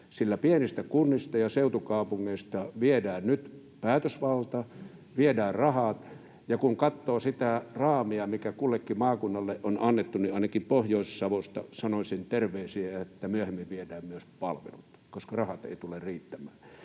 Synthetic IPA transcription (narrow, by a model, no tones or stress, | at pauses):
silːæpienist̪ækunːist̪ɑjɑseˑut̪ukɑˑupuŋːeist̪ɑʋiedæːnnyt̪ | pæːt̪øsʋɑlt̪ɑ | ʋiedæːrrɑhɑt̪ | jɑkuŋkɑt̪ːoːsit̪ærɑːmiɑmikækulːekːimɑːkunːɑlːeʔʔonʔɑnːet̪ːuniɑˑinɑkimpohjoˑisːɑʋost̪ɑ̰sɑnosʲent̪erʋeˑːsiæɑet̪ːæmyøhemːiʋʋiedæːmmyøspɑlʋḛlut̪koskɑrɑhɑt̪ḛit̪ulerriːt̪ːæmˑæː